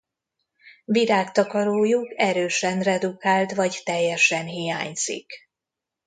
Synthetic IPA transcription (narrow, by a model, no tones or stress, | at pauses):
viɾaːkt̪ɒkɒɾoːjukɛɾøːʃɛnrɛd̪ukaːlt̪ʋɒɟt̪ɛjːɛʃɛnɦijaːɲz̥ḭk